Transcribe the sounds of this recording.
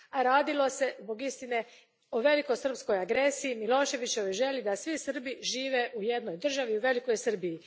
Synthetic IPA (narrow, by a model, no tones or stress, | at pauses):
aɾaːd̪ilo̞se̞zbo̞ɡist̪ine̞ | oʋe̞liko̞jsr̩psko̞jaɡɾe̞siimilo̞ːʃe̞ʋit͡ɕeʋojʒe̞lid̪asʋisr̩biʒiːʋe̞ʔuje̞d̪no̞jd̪r̩ʒaʋiuʋe̞liko̞jsr̩biji